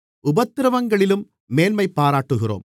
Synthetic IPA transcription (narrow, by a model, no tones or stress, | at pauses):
ʊbɐt̪ːɪɾɐʋɐŋɡɐɭɪlɯmː | eːlmɐɪpːaːɾaːʈːɯɣɪro̰ːm